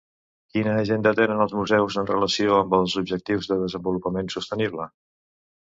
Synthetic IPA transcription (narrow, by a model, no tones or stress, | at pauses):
kinəːʒend̪ət̪enənəlˠzmuzɛwzənrə̰ləsioəmbəlˠzubʒək̚t̪iwzðəðəzəmbulupəmensust̪əniβlə